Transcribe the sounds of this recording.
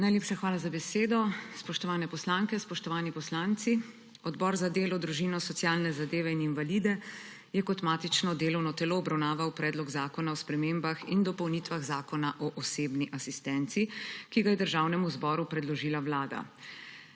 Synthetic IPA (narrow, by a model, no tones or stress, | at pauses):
najleːpʃaxʋaːlazabɛseːd̪ɔspɔʃt̪ɔʋaːnɛpɔslaːŋkɛspɔʃt̪ɔʋaːnipɔslaːnt̪si | ɔd̪bɔɾzad̪eːlɔd̪ɾuʒinɔsɔt̪sjaːlnɛzad̪eːʋɛininvalid̪ɛ | jɛkɔt̪maːt̪it͡ʃnɔd̪eːlɔwnɔt̪ɛloːbɾawnaːʋawpɾɛːd̪lɔɡzaːkɔnaɔspɾɛmembaxind̪ɔpɔwnit̪ʋaɣzaːkɔnaʔɔʔɔseːbniʔasist̪ɛnt̪sikiɡajɛd̪əɾʒaːwnɛmuzbɔːɾupɾɛd̪lɔʒiːlawlaːd̪a̰